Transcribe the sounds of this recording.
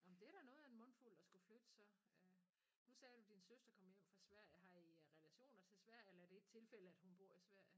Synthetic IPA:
ɒ̽m̩d̥e̝æɾ̥ænɔ̽ːð̩ˠenmɔ̽n̰ful̰̥ɒsɡ̥uflød̥əsɒ̽ø | nusɛːd̥ud̥insøsd̥ɐkʰɒ̽m̰jem̰fʁɑ̈sʋæɐ̰jəɦɑ̈iʁɛlæɕo̝̰ːnɐt͡sʰe̝sʋæɐ̰jəelɐæɐɾ̥e̝e̝ɡ̥̚t͡sʰe̝lfel̰əæd̥hunb̥o̝ɐ̰isʋæɐ̰jə

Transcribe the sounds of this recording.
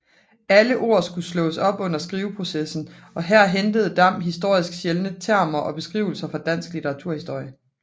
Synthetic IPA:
æləʔo̝ːɐsɡ̥uslɔ̽ːsɒ̽b̥ɔ̽n̰ɐsɡ̥ʁiːʊpʰʁo̝sesn̩ɒ̽ɦæɐ̰ɦend̥əð̞̩ˠd̥ɑ̈m̰ɦisd̥o̝ɐ̰isɡ̥ɕelənət͡sʰæɐ̰mɐʔɒ̽b̥e̝sɡ̥ʁḭʊl̩sɐfɑ̈d̥æn̰sɡ̥lit͡sʰeʁɑ̈t͡sʰuɐ̰hisd̥o̝ɐ̰jə

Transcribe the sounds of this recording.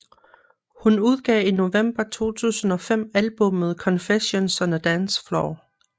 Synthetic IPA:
hunuð̞ˠɡ̥ɛ̰ːino̝ʋem̰b̥ɐt͡sʰo̝̰ːt͡sʰṵːsn̩ɒ̽fem̰ælb̥ɔ̽mð̩ˠkʰɒ̽nfeɕonsɒnəd̥ænsflɒ

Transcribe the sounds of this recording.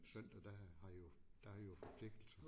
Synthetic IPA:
sœn̰d̥ɐd̥æhɑ̈ijod̥æhɑ̈ʋijofɒpʰle̝ɡ̥̚d̥l̩sɐ

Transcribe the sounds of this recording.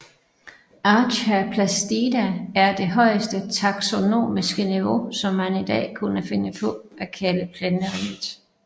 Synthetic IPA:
ʔɑ̈ːɕæpʰlæsd̥id̥ææɐd̥e̝ɦɒ̽ɪəsd̥ət͡sʰɑ̈ɡ̥so̝no̝̰ːmisɡ̥əniʋo̝sɒ̽mhænid̥ɛ̰ːkʰunəfe̝nəpʰɒ̽ʔækʰæləpʰlenəʁiŋ̥ˠ

